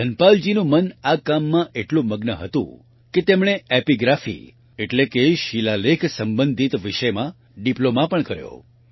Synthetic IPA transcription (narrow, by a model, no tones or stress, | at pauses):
d̪ʱənpald͡ʒinũmənakamːãʔeʈlũməɡnəɦə̰t̪ṵ̃ | ket̪emɽ̃eepiɡɾafḭ | eʈlekeʃilalekʰsəmbənd̪ʱit̪ʋiʃəjmã | ɖiplomãpəɳkəɾjo̰